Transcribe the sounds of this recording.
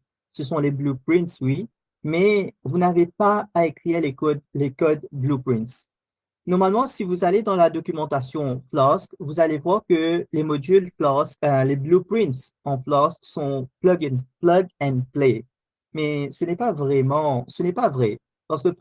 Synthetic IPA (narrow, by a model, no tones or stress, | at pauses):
səsɔ̃leblupχĩnt̪swi | mɛvunavepaːekχiʁlekɔlekɔd̪blupχĩnt̪s | nɔʁmalmɑ̃sivuzaled̪ɑ̃lad̪ɔkʲymɑ̃t̪asjɔ̃flɔʁskvuzalevwaʁkəlemɔd̪yllɔsleblupχĩnt̪ss | ɑ̃flɔʁskːɔ̃plaɡɛ̃plaɡɛ̃nple | mɛsənɛpavʁɛmɑ̃sənɛpavʁɛ | paʁsəkə